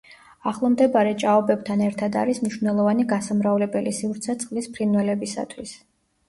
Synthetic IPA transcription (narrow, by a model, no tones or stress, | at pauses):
aχlˠɔmd̪ɛbaɾɛt͡ʃʼaɔbɛb̚t̪ʰanɛɾt̪ʰad̪a̰ɾismniʃnɛlˠɔvaniɡasamɾavlɛbɛlisivɾt̪sʰɛt̪sʼqʼlispʰɾinwɛlɛbisa̰t̪ʰwis